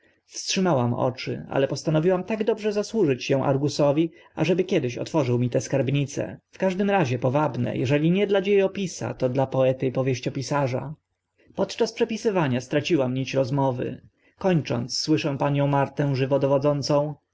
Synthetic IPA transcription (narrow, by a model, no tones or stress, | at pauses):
fstʂɘmawamɔ̰t͡ʂɘ̰a̰lɛpɔst̪anɔvʲiwamt̪aɡd̪ɔbʐɛzaswuʐɘt͡ɕɕɛ̃w̃ʔa̰ɾɡusɔvʲi | a̰ʐɛbɘkʲɛd̪ɘɕɔ̰t̪fɔʐɘwmʲit̪ɛskaɾbɲit̪sɛ̰fkaʐd̪ɘmɾaʑɛpɔvabnɛ̰jʔɛ̰ʐɛlʲiɲɛd̪lad͡ʑejɔpʲisa̰t̪ɔd̪lapɔɛt̪ɘipɔvʲjeɕt͡ɕɔpʲisaʐa̰ | pɔt̪t͡ʂaspʂɛpʲisɘvaɲast̪ɾat͡ɕiwamɲit͡ɕɾɔzmɔvɘ̰ | kɔɲt͡ʂɔ̰nt̪sːwɘʂɛw̃paɲɔ̃w̃maɾt̪ɛ̃ʐɘvɔd̪ɔvɔd̪zɔnt̪sɔ̃w̃